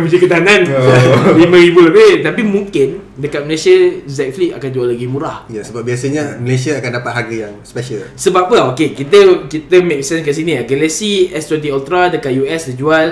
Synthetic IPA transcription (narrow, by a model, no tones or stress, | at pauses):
bəd͡ʒəkət̪aanãn | limə̃ɾibulabet̪apimũŋkɪndəkat̪məlesəzɛk̚fliʔa̰kand͡ʒualaɡimũɾahjasəbap̚biasəɲaməlesiaːkandapat̪̚ɦaɡijaŋspɛʃəlsəbap̚ːəokekit̪əkit̪əmek̚sɛ̃nskas̬inĩaɡaləsiɛst̪wɛ̃nt̪̬iɔlt̪ɾadəkat̪̚juɛsdəd͡ʒual